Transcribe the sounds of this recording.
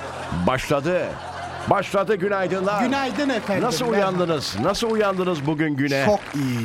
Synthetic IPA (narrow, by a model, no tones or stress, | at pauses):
baʃlˠad̪ɯ | baʃlˠad̪ɯɟynajd̪ɯnd̪ˠaynajd̪inɛt̪ɛnasɯlˠujand̪ɯnɯz̥nasɯlˠujand̪ɯnɯzbuɟynɟynɛokij